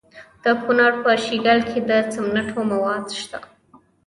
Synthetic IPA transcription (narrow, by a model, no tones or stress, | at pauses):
d̪̥əkunɑɽpəʃiɡalkʰed̪ət͡samnaʈʰomawɑd̪ʃt̪a̰